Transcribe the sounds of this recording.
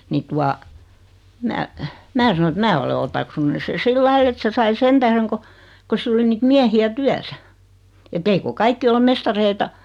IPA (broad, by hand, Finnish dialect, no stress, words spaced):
ni tuɑ mæ mæː sɑno et mæː ole otɑksunːu se silːɑi et se sɑi sen tæhreŋ ko ko silː oli niːt miæhiæ tyæsæ etː eiko kɑikːi ole mestɑreitɑ